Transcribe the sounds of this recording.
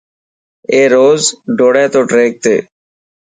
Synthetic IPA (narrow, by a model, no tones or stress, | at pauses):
eːɾoːzɖoːɽẽːt̪oːʈɾeːk̚t̪ḛː